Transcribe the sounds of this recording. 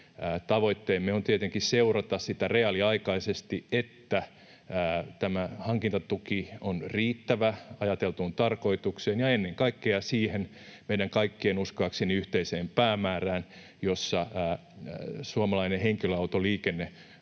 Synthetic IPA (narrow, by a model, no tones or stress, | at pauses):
t̪ɑʋoit̪ːeːmːeont̪iet̪eŋkisseurɑt̪ɑssit̪æreɑliɑikɑisest̪iet̪ːæː | t̪æmæhɑŋkint̪ɑt̪ukionriːt̪ːæʋæɑjɑt̪elt̪uːnt̪ɑrko̞it̪ukseːnjɑenːeŋkɑikːeɑsiːhen | meidæŋkɑikːeːnuskoɑksenːiyht̪eiseːmpæːmæːræːn | josːɑː | suɑmɑlɑineheŋkiløɑut̪oliːkenːe